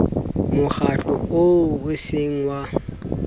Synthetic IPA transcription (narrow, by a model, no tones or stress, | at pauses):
mʊk͡xat͡ɬʼɔoʊsɪŋ̩wa